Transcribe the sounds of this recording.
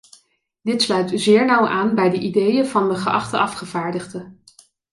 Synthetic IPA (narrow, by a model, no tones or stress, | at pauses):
dɪtslœɥtzɪːɹnʌwʔaːnbɛjdəʔidejəvɑndəχəʔɑχtəʔɑfχəvaːɹdəχdə